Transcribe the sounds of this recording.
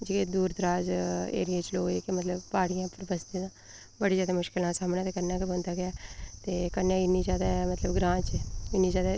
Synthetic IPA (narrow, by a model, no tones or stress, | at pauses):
d͡ʒeːked̪uːɾd̪əɾaːzḛːɾɪjeːt͡ʃloːɡeːkemət̪ləbpaːɽijãːpəɾbəst̪ẽːãː | bəɽiːzjaːd̪eːmʊʃkɪlãːsaːmnãːt̪eːkənjãːkebə̃nd̪aːɡɪaːt̪eːkənjãːɪniːd͡ʒaːd̪aɛmət̪ləbɡɾãːt͡ʃɪniːzjaːd̪a